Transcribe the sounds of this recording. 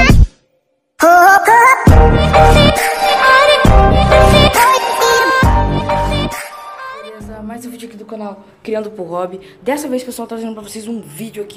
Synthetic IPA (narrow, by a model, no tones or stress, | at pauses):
elezɐmajzewvod͡ʒiakid̪ʊkɐ̃naw | kɾiɐ̃nd̪ʊpʊɾɦɔbi | d̪ɛsɐvejspesuawt̪aɾazẽd̪ʊpɾɐvosejzũvid͡ʒʊaki̥